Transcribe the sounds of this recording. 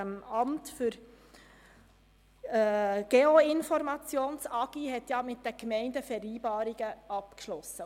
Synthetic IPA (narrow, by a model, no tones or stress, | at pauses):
əmɑmtfʏɾ | ɡ̥eoɪnfɔɾmɑt͡sjoːnsɑɡ̥ihɛtjɑmɪt̚d̥əkmɛɪndəfɛɾiːbɑːɾiɡ̥əɑpkʃlɔsːə